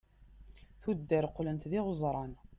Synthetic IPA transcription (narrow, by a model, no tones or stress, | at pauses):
θud̪ːəɾqlənt̪ðiʁʊzˤɾˤɑn